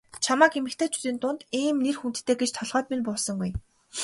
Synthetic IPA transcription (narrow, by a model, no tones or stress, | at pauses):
t͡ɕʰamaːkemɘ̆kt̪ʰeːt͡ɕʰu̥t̪iːnt̪ʊnt̪iːmnerxunt̪̆ʰt̪ʰːeːɡet͡ɕt̪ʰɔɮʁœːt̪minpɔɮsɞ̆ŋɡuj